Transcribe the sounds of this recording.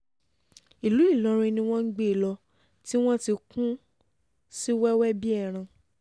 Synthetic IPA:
i˨lu˨˦i˦˨lɔ˨˦ɾ̃ĩ˧nĩ˧w̃ɔ̃˦n̩˦ɡ͡be˦˨lɔ˧ | ti˦w̃ɔ̃˦ti˧kũ˦ | si˦wɛ˦wɛ˦bi˦ɛ˦˨ɾ̃ã˧

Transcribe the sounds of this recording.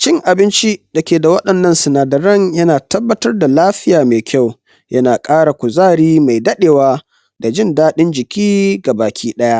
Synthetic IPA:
t͡ʃɪ˦˨ŋʔa˨bɪ˦nt͡ʃi˦d̥ɐ˨kʲeː˨da˨wɐ˦ɗɐ˨nːɐ˦nsʊ˨naː˨dɐ˨ɾɐ˦ŋjɐ˦naː˨tɐ˦bːɐ˦tɐ˦rda˨laː˦ɸɪ˦jaː˨meː˨kʲʰa˦˨w | jʔɐ˦naː˨kʼaː˦ɽa˨kʷʊ˨zaː˦˨ɽiː˦ma˨jdɐ˦ɗeː˨waː˦ | da˨d͡ʒɪ˦ndaː˦ɗɪ˦nd͡ʒɪ˨kʲiː˦ɡa˨baː˨kʲʰiː˦ɗɐ˦ja˦ʔ

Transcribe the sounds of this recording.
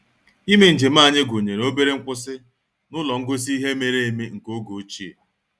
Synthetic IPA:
i˦me˨n̩˨d͡ʒe˨m̩a˦˨ɲɪ˦ɡo˨ɲe˨ɾe˨o˦be˦ɾe˦ŋ̩˦kʷʊ˦sɪ˦ | nʊ˦lɔ˨ŋ̩˦ɡo˦s̬i˦i˦ɦe˦me˦ɾe˦e˦˨me˦ŋ̩˨ko˦ɡo˨˦t͡ʃi˦ḛ˨

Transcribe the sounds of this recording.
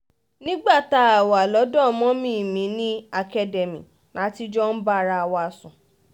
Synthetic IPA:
nĩ˦ɡ͡ba˦˨ta˨˦a˨wa˨lɔ˨˦dɔ̃˦˧mɔ̃˦mĩ˦˨mĩ˨˦nĩ˦a˧kɛ˦de˨mĩ˨ | nã˨˦ti˧d͡ʒɔ˦n̩˦ba˦ɾa˧a˧wa˧sũ˨

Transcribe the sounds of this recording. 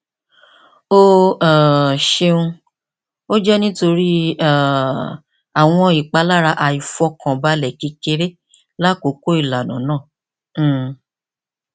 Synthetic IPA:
o˦a˨ʃe˧ũ˧ | o˦d͡ʒɛ˦nĩ˦to˧ɾi˦a˨ | a˨w̃ɔ̃˧i˨k͡pa˨˦la˦ɾa˧ʔa˧i˨fɔ˧˦kã˨ba˨˦lɛ˨ki˨˧˦ke˧˦ɾe˦ | la˦ko˨˦ko˦i˦˨la˨nã̰˨˦nãː˦˨˦

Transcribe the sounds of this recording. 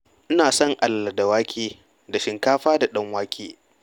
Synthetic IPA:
ʔɪ˦naː˨sɔ˦˨ŋʔa˨lːa˨da˨waː˦kʲʰeː˦ | da˨ʃɪ˨ŋkaː˦ɸaː˦da˨ɗɐ˦ŋwaː˦kʲʰeː˦

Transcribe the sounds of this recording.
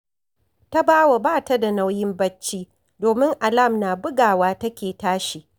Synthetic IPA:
ta˦baː˦wa˨baː˦˨ta˦da˨na˦wjɪ˦mbɐ˦t͡ʃːiː˦ | doː˨mɪ˦ŋʔa˨la˦˨mnaː˨bʊ˦ɡaː˨waː˦tɐ˦kʲeː˨taː˦ʃi˨ʔ

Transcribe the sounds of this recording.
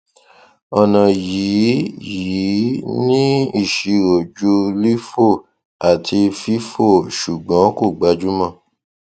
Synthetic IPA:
ɔ˨nã˨jiː˨˦ji˨˦nĩ˦i˦˨ʃi˨˧ɾo˨d͡ʒu˦li˦fo˦˨ | a˨tʰi˧fi˦fo˦˨ʃu˨ɡ͡bã˨˦ko˦˨ɡ͡ba˨˦d͡ʒu˦mã˦˨

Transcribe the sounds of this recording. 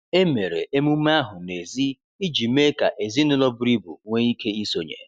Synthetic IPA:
e˦me˨ɾḛ˨e˦mu˦m˦a˦ɦʊ˨ne˨zi˦ | i˦d͡ʒi˨me˦ka̰˨ʔe˨zi˦nʊ˦lɔ˦bʊ˦ɾi˦bṵ˨ŋʷe˦i˦ke˦i˦so˨ɲḛ˨

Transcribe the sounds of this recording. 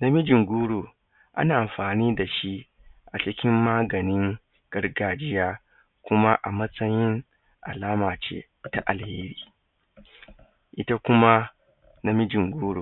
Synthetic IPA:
na˦mɪ˦d͡ʒɪ˨ŋɡʷuː˦ɽoː˨ | ʔa̰˦naː˨ʔa˨mɸaː˨niː˦da˨ʃi˦ | ʔa˨t͡ʃɪ˦kʲɪ˦mːaː˦ɡɐ˨nɪ˦ŋ | ɡ̥ɐ˦rɡaː˨d͡ʒɪ˦jaː˦ | kʷʊ˦ma˦ʔa̰˨mɐ˦sʼɐ˦jɪ˦ŋ | ʔa̰˨laː˦maː˨t͡ʃḛː˦ | ta˨ʔa˨lheː˦ɽiː˨ | ʔɪ˦ta˦kʷʊ˦ma˦ | na˦mɪ˦d͡ʒɪ˨ŋɡʷuː˦ɽoː˨

